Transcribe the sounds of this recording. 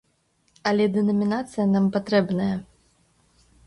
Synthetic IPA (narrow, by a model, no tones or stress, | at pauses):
ɐlʲɛd̪ɨnɐmʲinat̪sɨjɐnampat̪ɾɛbnɐjɐ